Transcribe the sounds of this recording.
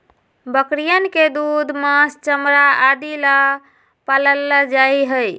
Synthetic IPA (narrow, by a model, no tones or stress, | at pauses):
bəkɾijənked̪ud̪ʱməst͡ʃəmɾaad̪ilə | paləlːəd͡ʒajɦəj